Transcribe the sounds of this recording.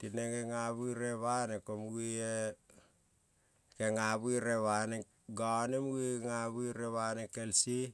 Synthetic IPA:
tineŋeŋaβuiɾeβanekomɡie | keŋaβuiɾeβane | ɡanemɡiŋaβuiɾeβanekelsi

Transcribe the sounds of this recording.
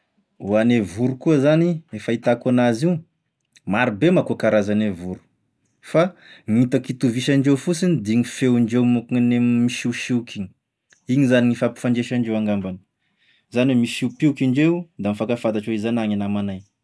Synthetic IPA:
uanevuɾukuəzaniefait̪akanazi | maɾibemakuakaɾazanevuɾu̥ | faŋit̪akit̪uviʃaɳɖ͡ʐewfut͡sinid̪iŋifewiɳɖ͡ʐewmuknemiʃiʃiukiɲ | iɲizaniŋifapi̥faɳɖ͡ʐeʃaɳɖ͡ʐewaŋɡambanə̥ | zanwemiʃiupiukʲiɳɖ͡ʐewd̪amifakafat̪aʈ͡ʂaizanaŋinamanaj

